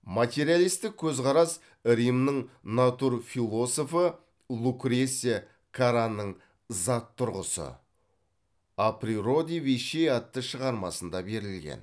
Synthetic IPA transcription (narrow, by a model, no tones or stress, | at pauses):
mat̪ʲe̞ɾijalˠijst̪ɪk̚kʲʰɵzqɑɾɑs | ɾimnəɴnat̪uɾfilˠo̞so̞fə | lˠukɾese | kʰaɾanəɴ | zɑt̪ʰːʊɾʁəsə̰ | apriɾo̞d̪iviʃejɑt̪ːəʃəʁɑɾmɑsənd̪ɑbe̞ɾɪlɡʲḛn